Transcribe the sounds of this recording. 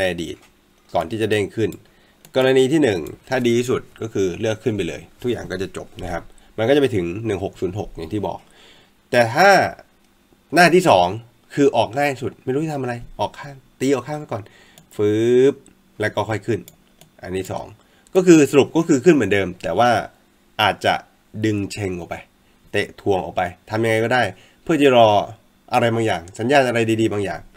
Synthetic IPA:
na˧a˧dḭː˨˩t̪̚ | kɔː˨˩nt̪ʰiː˥˩t͡ɕa˨˩deː˥˩nkʰɯ˥˩n | kɔː˧ɾa˧niː˧t̪ʰiː˥˩nɯ˨˩ŋt̪ʰaː˥˩diː˧i˥su˨˩t̪̚kɔː˥˩kʰɯː˧lɯ˥˩əkʰːɯ˥˩np̬a˧jlɤ̰ː˧jt̪ʰu˦˥k̚jaː˨˩ŋkɔː˥˩t͡ɕa˨˩t͡ɕo˨˩p̚na˦˥kʰa˦˥p̚ma˧nkɔ˥˩t͡ɕpa˧jt̪ʰɯ˩˦ŋnɯ˨˩ŋɦo˨˩k̚suː˩˦nɦo˨˩k̚ja̰˨˩ŋt̪ʰiː˥˩bɔ̰ː˨˩k̚ | t̪ɛː˨˩t̪ʰaː˥˩ | naː˥˩t̪ʰiː˥˩sɔː˩˦ŋ | kʰɯː˧ʔɔː˨˩k̚ŋaː˥˩jsu˨˩t̪̚ma˥˩jɾuː˦˥˨t̪ʰa˧mʔɾa˧jʔɔː˨˩kʰːaː˥˩ŋt̪iː˧ʔɔː˨˩kʰa˥˩ŋma˥˩kɔː˨˩n | fɯː˦˥p̚ | lɛː˦˥wkɔː˥˩kʰɔ˥˩jkʰɯ˥˩n | ʔa̰˧nt̪ʰiː˥˩sɔ̰ː˩˦ŋ | kɔː˥˩kʰɯː˧sa˧ɾu˨˩p̚kɔː˥˩kʰɯː˧kʰɯ˥˩nmɯ˩˦ndɤː˧mt̪ɛː˨˩waː˥˩ | ʔaː˨˩t̪̚t͡ɕa̰˨˩ | dɯ˧ŋt͡ɕʰe˧ŋʔɔ˨˩pa˧j | t̪e˨˩ʔt̪ʰu˧əŋʔɔ̰˨˩kpa˧jt̪ʰa˧mja˧ŋa˧jkɔː˥˩daː˥˩j | pʰɯ˥˩ət͡ɕ̪i˧˥˩ɾɔː˧ | ʔa˧ɾa˧jbaː˧ŋja̰ː˨˩ŋsa˩˦njaː˥˩t̪̚ʔa˧ɾa˧jdiː˧diː˧baː˧ŋja̰ː˨˩ŋ

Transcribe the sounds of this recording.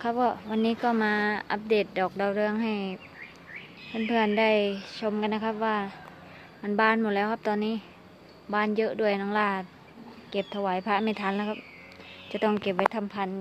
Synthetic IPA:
kʰa˧˥˩p̚kɔː˧˩wa˧nːiː˦˥˨kɔː˧˩maː˧ʔa˧˥p̚deː˨˩t̪̚dɔː˨˩k̚da˧˩wɾɯ˧əŋɦa˧˩j | pʰa˧˩˨npʰɯ˧˩ənda˧˩jt͡ɕʰo˧˥˨mka˧nːa˧˩kʰa˧˥p̚waː˧˩ | ma˧˨nbaː˧˥˨nmɔ˨˩lɛː˧˥wkʰp̚t̪ɔː˧nːiː˧˥˨ | baː˧˥˩njɤ˧ʔdu˧˥˩əjnɔː˧˥˩ŋlaː˧˩t̪̚ | ke˧˩p̚t̪ʰa˧waː˨˦jpʰa˧˥mi˧˩t̪ʰaː˧˦nlɛː˧˩kʰa˧p̚ | t͡ɕa˨˧˩t̪ɔ˧˥˩ŋke˧˩p̚wa˧jt̪ʰa˧˥˨mpʰa˧˨n

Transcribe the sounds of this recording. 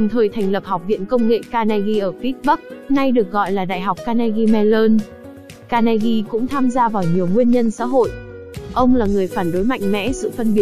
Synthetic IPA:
ɨ˨˩ŋ͡mt̪ʰəː˨˩jt̪ʰɛ˨˩ŋ̟lə˨˩p̚ha˨˩wk͡p̚vḭ˧˨ənkə˧wŋ͡mŋḛ˧˨kaː˧na˧ɣi˧ʔəː˧˩fi˦˥t̚ɓə˦˥k̚na˧jɗɨ˨˩ək̚ɣɔ̰˧˨jlaː˨˩ɗa̰ː˧˨jɦa˨˩wk͡p̚kaː˧na˧ɣi˧mɛ˧ləː˧n | kaː˧na˧ɣi˧kʊ̰˧˥ŋ͡mt̪ʰaː˧mzaː˧vaː˨˩wɲi˨˩əwŋwi˧ənɲə˧nsa̰ː˧˥ɦo̰˧˨j | ʔə˧wŋ͡mlaː˨˩ŋɨ˨˩əjfaː˧˩nɗo˨˦jma̰˧˨jŋ̟mɛ̰˧˥sɨ̰˧˨fə˧nɓi˨˩ə

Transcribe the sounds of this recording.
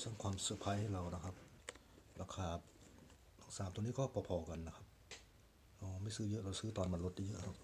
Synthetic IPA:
sa˧˩˨ŋkʰwaː˧˨msɯː˧˩pʰa˧˥jha˧˩˨la˧wna˧˩kʰa˧˥p̚ | ɾaː˧˩kʰaː˧˩ | na˧˩ŋsaː˨˦mt̪u˧˨niː˧˥˨kɔː˥˩pʰɔː˧˩pʰɔː˧˩ka˨nːa˧kʰa˦p̚ | ʔɔː˧˩maː˧˥˩sɯː˧˥˨jɤ˦˥ʔla˧˩wsɯː˧˥˩t̪ɔː˧˨nma˧˨nlo˧t̪̚t̪ʰi˧jɤ̰˦˧˥ʔha˧˩

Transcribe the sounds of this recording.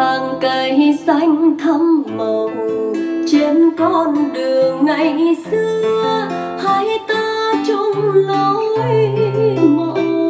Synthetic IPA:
aː˨˩ŋkə˨˩jsa˧jŋ̟t̪ʰə˧mmə˨˩hu˨˩t͡ɕe˧nkɔ˧nɗɨ˨˩əŋːa˧˩jɗi˧˩sɨ˧ə | ha˧˦jt̪aː˧t͡ɕɔ˧ŋ͡mla˧˦w | mo˧˨

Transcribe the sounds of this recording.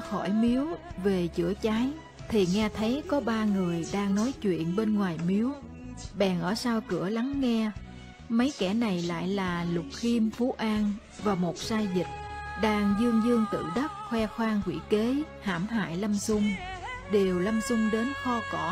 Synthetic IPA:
xɔ˧˩jmi˨˦əwve˨˩t͡ɕɨ̰˧˩ət͡ɕaː˨˦j | t̪ʰi˨˩ŋɛ˧t̪ʰə˨˦jkɔ˨˦ɓaː˧ŋɨ˨˩əjɗaː˧ŋnɔ˨˦jt͡ɕwḭ˧˨ənɓe˧nŋwaː˨˩jmi˨˦əw | ɓɛ̰˨˩ŋʔəː˧˩saː˧wkɨ̰˧˩əla˨˦ŋːɛ˧ | mə˨˦jkɛ˧˩na˨˩jla̰ː˧˨jlaː˨˩lʊ˨˩k͡p̚xi˧mfu˨˦ʔaː˧n | vaː˨˩mo˨˩t̚saː˧jzï˨˩t̚ɗaː˧ŋzɨ˧əŋzɨ˧əŋt̪ɨ̰˧˨ɗə˦˥t̚xwɛ˧xwaː˧ŋkwḭ˧˩ke˨˦ | ha̰ː˧˩mɦa̰ː˧˨jlə˧msʊ˧ŋ͡mɗe˨˩əwlə˧msʊ˧ŋ͡mɗe˨˦nxɔ˧kɔ˧˩˥

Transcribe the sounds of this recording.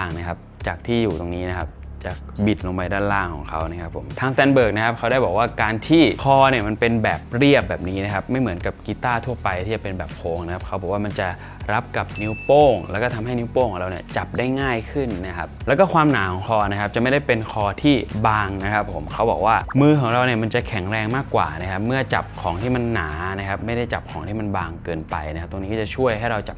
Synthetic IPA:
a˧˥˩ŋna˦˥kʰa˦˥p̚t͡ɕaː˨˩k̚t̪ʰiː˥˩juː˨˩t̪o˧ŋniː˦˥na˦˥kʰa˦˥p̚ | t͡ɕa˨˩ | bi˨˩t̪̚lo˧mba˧jdaː˥˩nlaː˥˩ŋkʰɔː˩˦ŋkʰa˦˥wna˦˥kʰa˦˥pʰːo̰˩˦mt̪ʰaː˦˥ŋst̪ɛː˧nbɤː˨˩k̚na˦˥kʰa˦˥p̚kʰa˦˥wdaː˥˩jbɔː˨˩k̚waː˥˩kaː˧nt̪ʰiː˥˩kʰɔː˧ni˥˩ɐma˧npe˧nbɛː˨˩p̚ɾi˥˩əp̚bɛː˨˩p̚niː˦˥na˦kʰa˦˥p̚ma˥˩jmɯ˩˦nka˨˩p̚ki˧˦˥t̪aː˥˩t̪ʰu˥˩ɐpa˧jt̪ʰiː˥˩t͡ɕa˨˩pe˧nbɛː˨˩p̚kʰoː˧ŋna˦˥kʰa˦˥p̚kʰa˦˥wbɔː˨˩waː˥˩ma˧nt͡ɕa˨˩ | ɾa˦˥p̚ka˨˩p̚ni˦˥wpoː˥˩ŋlɛ̰ː˦˥kɔː˥˩t̪ʰa˧mɦa˥˩jni˦˥wpoː˥˩ŋʰɔː˩˦ŋɾa˧niː˥˩ɐt͡ɕa˨˩p̚daː˥˩jŋaː˥˩jkʰɯ˥˩nːa˦˥kʰa˦˥p̚lɛː˦˥wkɔː˥˩kʰwaː˧mnaː˩˦kʰɔː˩˦ŋkʰɔː˧na˦˥kʰa˦˥p̚t͡ɕa˨˩ʔma˥˩jda˥˩jpe˧nkʰɔː˧t̪ʰiː˥˩baː˧ŋna˦˥kʰa˦˥pʰːo˩˦mkʰa˦˥wbɔː˨˩k̚waː˥˩mɯː˧kʰɔː˩˦ŋɾa˧wni˥˩ɐma˧nt͡ɕa˨˩kʰɛ˩˦ŋɾɛː˧ŋmaː˥˩kːwa̰ː˨˩na˦˥kʰa˦˥p̚mɯ˥˩ɐt͡ɕa̰˨˩p̚kʰɔː˩˦ŋt̪ʰiː˥˩ma˧nːaː˩˦na˦˥kʰa˦˥p̚ma˥˩jda˥˩jt͡ɕa˨˩p̚kʰɔː˩˦ŋt̪ʰiː˥˩ma˧nbaː˧ŋkɤː˧npa̰˧jna˦kʰa˦˥t̪o˧ŋniː˦˥kːɔ˥˩t͡ɕa˨˩t͡ɕʰu˥˩əjɦa˥˩jɾa˧wt͡ɕa˨˩p̚

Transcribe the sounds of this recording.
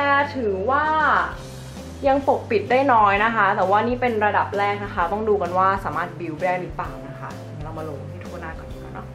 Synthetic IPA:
t̪ɛː˨˩t̪ʰɯ˨˩˦waː˥˩ | ja˧ŋpo˨˩k̚pi˨˩t̪̚daː˥˩jnɔː˦˥jna˦˥kʰa˦˥t̪ɛː˨˩waː˥˩niː˥˩pe˧nɾa˧da˨˩p̚ɾɛː˥˩k̚na˦˥kʰa˦˥t̪ɔ˥˩ŋduː˧ka˧nwaː˥˩saː˩˦maː˥˩t̪̚bi˧wɾɛː˥˩niː˦˥pa˨˩wna˦˥kʰa̰˦˥˨la˧ma˧lo̰˨˩˧t̪ʰiː˥˩t̪ʰu˥˩ənaː˥˩kɔ˨˩i˧˩ka̰˧˩nɔ̰˦˥

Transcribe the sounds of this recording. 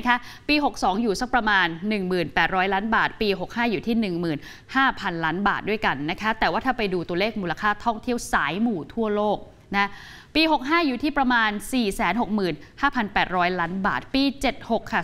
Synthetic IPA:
kʰa˦˥piː˧ɦo˨˩k̚sɔː˩˦ŋjuː˨˩sa˨˥k̚pɾa˧maː˧nːɯ˨˩ŋmɯː˨˩npɛː˨˩t̪̚ɾɔː˦˥jlaː˦˥nbaː˨˩t̪̚piː˧ɦo˨˩k̚haː˥˩juː˨˩t̪ʰiː˥˩nɯ˨˩ŋmɯː˨˩n | haː˥˩pʰa˧nlaː˦˥nba̰ː˨˩t̪̚du˥˩jka˧nːa˦˥kʰa˦˥t̪ɛː˨˩waː˥˩a˥˩pa˧jduː˧t̪u˧əleː˥˩k̚muː˧la˧kʰaː˥˩t̪ʰɔ˥˩ŋt̪ʰi˥˩əwsaː˨˩˦jmuː˨˩t̪ʰu˥˩ɐloː˥˩k̚ | na˦˥ | piː˧ɦo˨˩k̚ɦaː˥˩juː˨˩t̪ʰiː˥˩pɾa˧maː˧nsiː˨˩sɛː˨˩˦nɦo˨˩k̚mɯː˨˩nhaː˥˩pʰa˧npɛː˨˩t̪̚ɾɔː˦˥jlaː˦˥nba̰ː˨˩t̪̚piː˧t͡ɕe˨˩t̪̚ho˨˩kʰːa˥˩

